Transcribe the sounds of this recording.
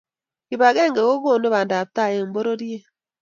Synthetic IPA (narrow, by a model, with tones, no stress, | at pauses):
ki˨ba˨ɡe˦˨ŋ˨ɡe˨ɣo˦ɡo˦˨no˦ba˨n˨da˨p̚ta˦˨je˨m̩˨bo˦ɾo˦di˦e˦